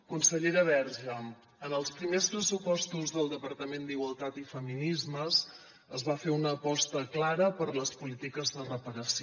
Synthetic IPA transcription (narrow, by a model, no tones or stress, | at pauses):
kunsəʎeɾəβɛɾʒəm | ənəlˠspɾimespɾəsupɔst̪uzðəlˠd̪əpəɾt̪əmend̪iɣwəlˠt̪at̪ifəminizməz | əzβafeunəːpɔst̪əklaɾəpəɾləspulit̪ikəzðərəpəɾəs